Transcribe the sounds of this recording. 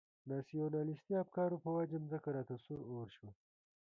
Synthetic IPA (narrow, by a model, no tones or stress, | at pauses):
naːsijoːnaːlist̪iap̚kaːɾupɐwɐd͡ʑɐmzɐkɐɾaːt̪ɐsuɾoːɾɕwɐ